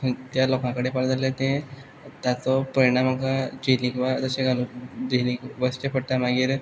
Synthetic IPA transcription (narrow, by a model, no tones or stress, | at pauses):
ət̪jalɔkãkəɽepaɽd̪alet̪ẽ | t̪at͡sɔpəɾiɽ̃amakad͡ʑilikʋat̪əɕẽɡʱalud͡ʑilikʋəst͡ɕepʰəɽt̪amaɡiːɾ